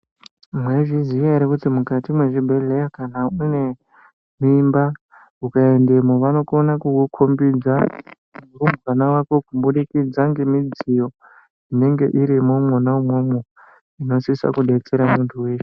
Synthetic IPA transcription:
mwe̞ʐizijaɾekutimukatimwe̞ʐibʱe̞ɮe̞jakanaune̞ | mimba | ukaendemoʋano̞konakuwukʰombid͡za | urumanawako̞kumbuɗikid͡zaŋɡe̞mid͡zijo̞ | ine̞ŋɡe̞̰ʔiɾimomwonaumwomo | ino̞sisa̰kuɗe̞t͡se̞ɾamuntʰuwe̞ːʃe

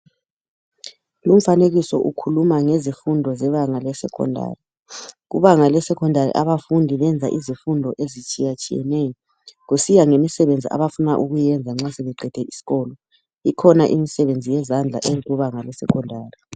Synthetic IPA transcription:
lum̩faneɣisɔ̰ʔukʰulumaŋezifundʱɔzɛβaŋalɛsɛ̰kʰɔ̰ndʱa̰ːri | ɣṵβaŋalɛsɛkʰɔndʱarḭʔaβafundʱiβɛnd͡zʱa̰ʔizifundʱɔʔezit͡ʃʼijat͡ʃʼijɛ̰nɛjɔ | ɣusijaŋemisɛβend͡zʱiʔa̰βafunaʔuɣujɛnd͡zʱaŋ͡ǁasɛβɛǃʱɛd̥ʱɛʔisi̥ɣɔlɔ | ikʰɔnaʔimisɛβend͡zʱijɛzand͡ɮʱa̰ʔeliɣuβaŋalɛsɛ̰kʰɔndʱaːri

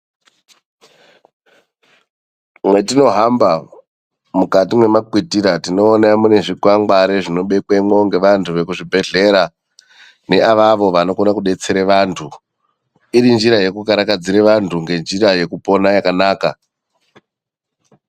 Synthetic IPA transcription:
mwe̞tino̞ɦamba | mukatimwe̞makwitiɾatino̞ːnamune̞ʐikwaŋɡaɾeʐino̞ɓe̞kwemwoŋɡe̞ʋantʰuʋe̞kuʐibʱe̞ɮe̞ɾa | ne̞aʋaʋo̞ʋano̞konakuɗe̞t͡se̞ɾeʋantʰu | iɾind͡ʒiɾaje̞kukaɾakad͡ziɾeʋantʰuŋɡe̞nd͡ʒiɾaje̞kupo̞najakanaːka

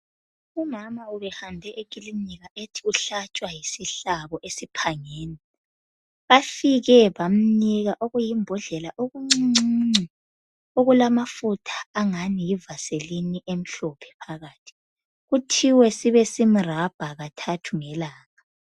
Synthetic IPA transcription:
umamauβɛhandʱɛʔeɣʼiliiɣaʔetʰiuɬat͡ʃʼwajisiɬaβɔʔesipʰaŋeːni | βafiɣɛβam̩niɣaʔoɣujimbʱɔɮɛlaʔoɣuŋ͡ǀiiŋ͡ǀi | oɣulamafutʰḁːŋanijivaseliniʔem̩ɬɔpʰɛ̥pʰaɣaːtʰi̥ | ɣutʰiwɛsiβɛsimirab̥ʱaɣatʰatʰuŋɛlaːɣa

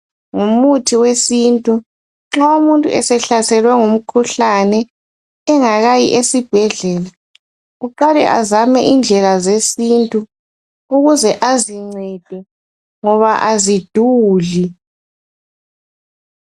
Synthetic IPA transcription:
ŋumutʰiwesintʼu | ŋ͡ǁaumuntʼṵɛsɛɬasɛlwɛŋum̩kʰuɬanɛː | ŋaɣajḭʔesib̥ʱɛɮɛːla | ɣuǃalɛ̰ʔazamɛʔind͡ɮʱɛlazesintʼu | uɣuzɛʔaziŋ͡ǀɛd̥ʱwɛ | ŋɔβaʔazid̥ʱuːɮi

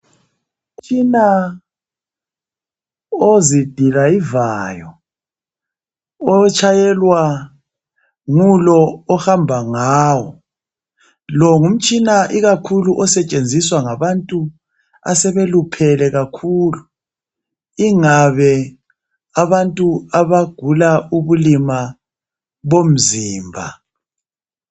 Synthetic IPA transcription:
um̩t͡ʃʼina | ozid̥ʱilaivajɔ | t͡ʃʰʼajɛlwa | ŋulɔːhambʱaŋaːwɔ | lɔŋum̩t͡ʃʼinaʔiɣakʰuluʔɔsɛt͡ʃʼend͡zʱiswaŋaβantʼu | a̰sɛβelupʰɛlɛɣakʰuːlu | iŋaβɛ | aβantʼuaβaɡ̥ʱulauβulima | βom̩ziːmbʱa̰

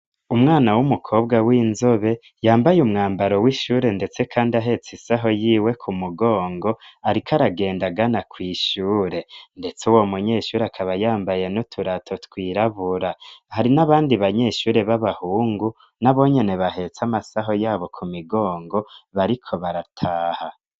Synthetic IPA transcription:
umŋaːnawumukʰo̞ːbɡawiːnzoβe̞ | jaːmbajumŋaːmbaɾo̞wiːʃuːɾe̞nde̞t͡se̞kʰaːndiaɦe̞t͡sisaɦo̞jiːwe̞kʰumuɡo̞ːŋɡo̞aɾikʰaɾaɡe̞ːndaɡanakwiːʃuːɾe̞nde̞t͡suwomuɲe̞ːʃuːɾeakʰaβajaːmbaje̞notʰuɾatʰotkwiːɾaβuɾahaɾinaβaːndiβaɲe̞ːʃuːɾe̞βaβahuːŋɡu | naβo̞ɲe̞ne̞βahe̞t͡samasaɦo̞jaːβo̞kʰumiɡo̞ːŋɡo̞βaɾikʰo̞βaɾatʰaːha

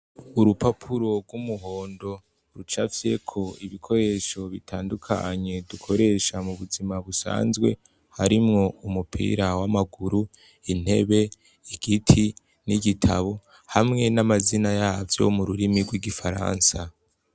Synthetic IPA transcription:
uɾupapʰuɾo̞ɡɡwumuɦo̞ːndo̞ | ɾut͡ʃafje̞kʰo̞iβikʰo̞ɾe̞ʃo̞βitʰaːndukʰa̰ɲe̞dukʰo̞ɾe̞ʃamuβuzimaβusa̰ːnzɡwe̞̰ | haɾimŋo̞umupʰḭːɾawamaɡuɾu | in̥he̞̰βe̞ | iɡ̥itʰi | niɡitʰaβo̞ | hamŋe̞namazinajaːvjo̞̰muɾuɾimiɡwiɡifaɾa̰ːnsa

